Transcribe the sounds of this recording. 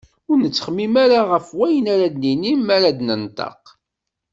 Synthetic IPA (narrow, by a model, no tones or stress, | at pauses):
ʊɾnət͡sːə̥χəmːimaɾaʁəfwæjənaɾad̪ninimːaɾad̪nənt̪ˤɑ̰q